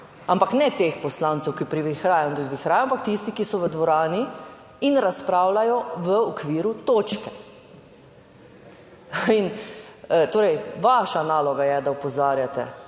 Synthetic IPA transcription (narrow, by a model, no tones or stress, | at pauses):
ampaknɛt̪eːxpɔslaːnt̪sɛwkipɾiʋixɾaːjɔnd̪ud̪ʋixɾaːjampak̚t̪ist̪ikisɔʋəd̪ʋɔɾaːniː | nɾaspɾaːwlajɔʋəɔkʋiːɾut̪oːt͡ʃkɛ | in | t̪oːɾɛjʋaʃanaːlɔɡajɛd̪aɔpɔzaːɾjat̪ɛ̰